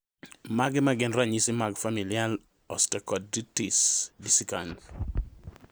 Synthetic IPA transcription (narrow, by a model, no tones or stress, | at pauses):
maɡɪmaɡɪnrɾaɲisɪmaɡfamilial | ɔstɛkɔt̚ditisdisikand